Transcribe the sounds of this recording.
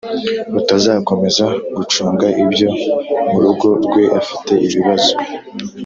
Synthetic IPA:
utazaːko̞me̞zaɡut͡ʃuːŋɡaʔibjo̞muɾuɡo̞ɾɡwe̞ʔafi̥te̞ʔiβiβazo̞

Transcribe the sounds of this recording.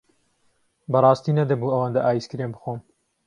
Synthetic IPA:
bɐrˤɑːst̪iːnɐd̪ɐbuːɐwaːnd̪ɐʔaːjiskɨɾembɨxoːm

